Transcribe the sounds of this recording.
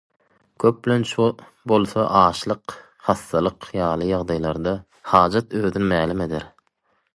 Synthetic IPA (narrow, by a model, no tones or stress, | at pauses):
kʰøp̚blent͡ʃʰ | bo̞lˠθɑʔɑːʃlˠɯq | hɑθːɑlˠɯqjɑːlˠɯjɑʁd̪ɑjlˠɑɾd̪ɑ | hɑːd͡ʒɑt̪øːðynymæːlime̞d̪ḛɾ